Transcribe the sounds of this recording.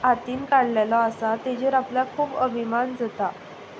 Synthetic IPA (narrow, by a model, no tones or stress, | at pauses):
at̪iːnkaɽlalɔəsat̪ed͡ʑəɾapljakʰuːbəbʱimand͡zət̪a